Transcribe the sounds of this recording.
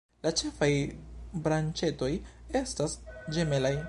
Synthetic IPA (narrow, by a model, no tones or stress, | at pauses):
lat͡ʃe̞fajbɾant͡ʃe̞to̞je̞stasd͡ʒe̞me̞laj